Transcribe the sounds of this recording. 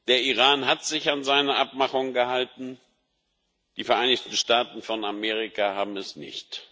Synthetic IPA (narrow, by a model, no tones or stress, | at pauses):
d̥eːɐiʁaːnɦatz̥ɪçanzaɪnɐʔap̚maχʊŋɡəhaltn̩ | d̥iːfɛɐʔaɪnɪçtn̩ʃtaːtn̩fɔnameːʁ̞ikahaːbm̩ɛsnɪ̰çt